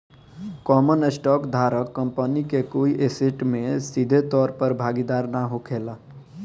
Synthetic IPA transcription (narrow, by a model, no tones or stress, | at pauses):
kɔːmənesʈɔːkd̪ʱaːɾəkːəmpənikekoiʔeseʈmẽsid̪ʱet̪ɔːɾpəɾbʱaːɡid̪aːɾnaɦokʰela